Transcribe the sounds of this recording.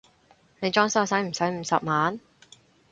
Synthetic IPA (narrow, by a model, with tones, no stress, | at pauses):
ne˨˧jt͡ʃɔː˥ŋsɐ˥wsɐ˨˥jm̩˨˩sɐ˨˥jm̩˨˧˥sɐ̰˨p̚maː˨˥n